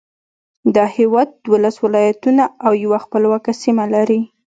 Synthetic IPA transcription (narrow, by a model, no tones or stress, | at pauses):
d̪ɑhɪwɑd̪̚ːwolaswɪlɑjat̪unaawjawaxpəlwɑkasimalaɾi